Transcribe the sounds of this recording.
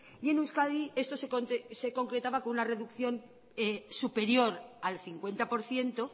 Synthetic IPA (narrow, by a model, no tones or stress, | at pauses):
je̞nuskaðie̞st̪oseot̪se̞ko̞ŋkɾe̞t̪aβakonunare̞ðukθjo̞n | esupe̞ɾjo̞ɾalθiŋkwe̞nt̪apo̞ɾθje̞nt̪o